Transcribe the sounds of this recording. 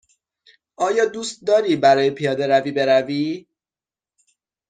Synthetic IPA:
ʔɒːjɒːd̪uːst̪̚d̪ɒːɾiːbæɾɒːje̞pʰijɒːd̪e̞ɾæviːbe̞ɾæviː

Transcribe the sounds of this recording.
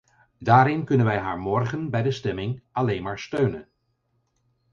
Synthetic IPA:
daːɾɪnkɵnənʋɛjɦa̰ːɹmɔɹχənbɛjdəstɛmɪŋɑlejnmaːɹstøɥnən

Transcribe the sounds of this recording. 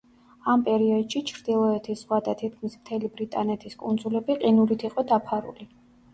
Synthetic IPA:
ampʼɛɾiɔd̪ʃit͡ʃʰɾd̪̥ilˠɔɛt̪ʰiszʁwad̪at̪ʰit̪̚ʰkʰmismt̪ʰɛlibɾit̪ʼanɛt̪ʰiskʼund̪zulɛbiqʼinuɾit̪ʰiqʼɔd̪apʰaɾṵli

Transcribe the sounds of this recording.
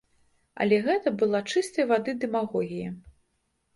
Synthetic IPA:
ɐ̰lʲɛɣɛt̪ɐbɨlˠat͡ʂɨst̪ɐjvad̪ɨd̪ɛmaɣɔɣʲijɐ

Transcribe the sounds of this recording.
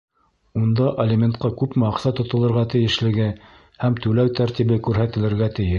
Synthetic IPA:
und̪ɑʔelʲemʲent̪qɑkʉpmæɑqsɑt̪ːŏt̪ŏlˠɤ̆ɾʁɑt̪ɘ̆jɘ̆ʃlɘ̆ɡɘ | hæmt̪ʉlæwt̪æɾt̪iβɘkʉɾɦæt̪ɘ̆lɘ̆ɾɡæt̪ɘ̆jɘʃ

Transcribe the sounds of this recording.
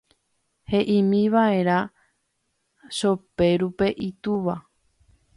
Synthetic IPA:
he̞ʔĩmĩʋae̞ɾa | ʃope̞ɾupe̞ʔit̪uʋa

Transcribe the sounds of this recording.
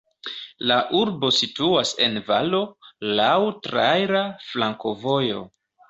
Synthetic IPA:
laʔuɾbo̞situase̞nvalo̞lawtɾajɾaflaŋko̞vo̞jo̞

